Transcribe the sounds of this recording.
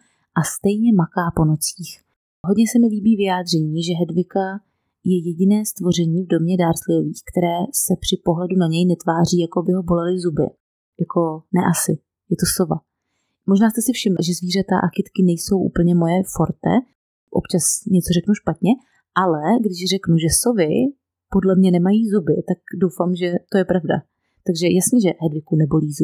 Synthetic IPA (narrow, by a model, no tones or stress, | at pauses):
ʔast̪ɛjɲɛmakaːpo̞no̞t͡siːx | ɦodɲɛsɛmɪliːbiːvɪjaːd̪r̝ɛɲiːʒɛɦɛdvɪka | jɛjɛɟɪnɛːst̪vo̞r̝ɛɲiːvdo̞mɲɛdaːɾslɪjoviːxkt̪ɛɾɛːsɛpr̥ɪpo̞ɦlɛdunaɲɛjnɛt̪vaːr̝iːjakoabɪɦo̞bo̞lɛlɪzubɪ̰ | jako̞nɛ̰ʔasɪ | jɛt̪o̞sova̰ | moʒnaːst̪ɛsɪfʃɪmlʒɛzviːr̝at̪a̰ʔaxɪt̪kɪnɛjso̞wʔṵːpl̩ɲɛmo̞jɛfoɾt̪ɛ̰ | ʔopt͡ʃasɲɛt͡so̞rɛknuʃpat̪ɲɛ | ʔalɛɡdɪʃrɛknuʒɛsovɪ | po̞dlɛmɲɛnɛmajiːzubɪt̪akdo̞wfaːmʒɛt̪o̞jɛpɾavda̰ | t̪aɡʒɛjasɲɛʒɛɦɛdvɪkunɛbo̞liːzu